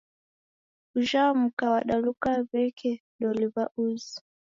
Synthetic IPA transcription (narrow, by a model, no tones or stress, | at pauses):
uʒam̩kawaɗalukaβɛkʰɛɗɔliβaʔuzi